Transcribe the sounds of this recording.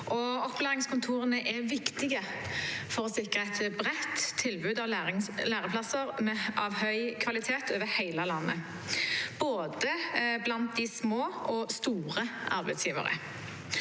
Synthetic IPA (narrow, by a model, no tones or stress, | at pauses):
ʔɔɔplæːʁɪŋskʊnt̪ʰuːʁənəʔɛʋɪkt̪ɪɡə | fɔʁɔsɪkʁəæɪt̪bʁɛt̪ʰːɪlbʉːd̪ɑʋlæːʁəpʰlɑsəʁmɛʔɑʋhœʏkʰʋɑlɪt̪ʰeːt̪oːʋəhæɪləlɑnːə̰ | b̥oːd̪əblɑnt̪̚d̪ɪsmoːʔɔst̪uːʁəɑ̰ʁbæɪsjiːʋə̰ʁə̰